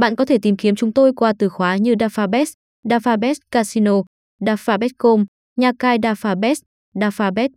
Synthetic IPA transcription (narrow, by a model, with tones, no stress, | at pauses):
ɓa̰ː˧˨nkɔ˨˦t̪ʰe˧˩t̪i˨˩mki˨˦əmt͡ɕʊ˨˦ŋ͡mt̪o˧jkwaː˧t̪ɨ˧˩xwaː˨˦ɲɨ˧ɗaː˧faː˧ɓɛ˦˥s | ɗaː˧faː˧ɓɛ˦˥kaː˧si˧no˧ | ɗaː˧˩faː˧˩ɓɛ˦˥t̚ko˧m | ɲaː˨kaː˧jɗaː˧faː˧ɓɛ˦˥s | ɗaː˧faː˧ɓɛ˦˥t̚